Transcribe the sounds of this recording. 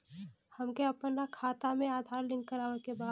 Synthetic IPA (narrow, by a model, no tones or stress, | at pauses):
hɐmkeɐpənɾakʰaːt̪amẽaːd̪ʱaːɾlɪ̃ŋɡkəɾaːʋəɾkebaː